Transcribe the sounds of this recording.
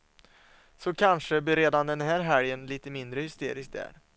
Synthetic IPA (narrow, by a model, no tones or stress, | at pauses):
sɔkʰanʂəbɪɾeːd̪and̪ɛnɦæːɾɦæɾjənliːt̪əmɪnd̪ɾəhʏst̪ḛːɾɪsk̚d̪æ̰ːɾ